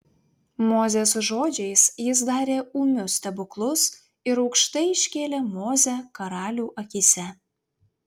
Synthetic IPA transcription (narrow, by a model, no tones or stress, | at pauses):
mozʲesʒod͡ʒʲejsjɪs̬d̪ɑːɾʲeumʲʊst̪ʲɛbʊklˠʊs | ɪɾɐkʃt̪ɐɪiʃʲkʲelʲemozʲækɐɾɑlʲuʔɐkʲisʲæ